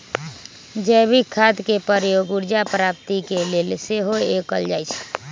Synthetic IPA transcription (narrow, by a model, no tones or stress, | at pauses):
d͡ʒɛbʱikʰːad̪kepəɾjoɡuɾd͡ʒapɾap̚t̪ikelelseɦoekəld͡ʒajt͡ʃʰ